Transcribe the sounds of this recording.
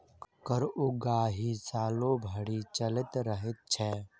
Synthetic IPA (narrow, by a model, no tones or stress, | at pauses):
kəɾʊɡaːɦisaːlobʱəɽiːt͡ʃəlɪt̪ɾəɦɪt̪̚t͡ʃʰɛː